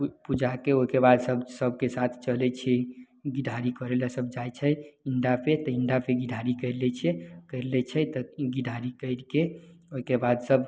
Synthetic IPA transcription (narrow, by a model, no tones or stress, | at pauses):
pud͡ʒakeoikebad̪səbsəb̚kesat̪ʰt͡ʃəlɛt͡ʃʰɛ | ɡiɖʱaɾikəɾelasəbd͡ʒajt͡ʃʰɛiɳɖapʰet̪ɔiɳɖapʰeɡiɖʱaɾikəɪɾlɛt͡ʃʰekəɪɾlɛt͡ʃʰɛt̪əɡiɖʱaɾikəɪɾkeoɦikebad̪səb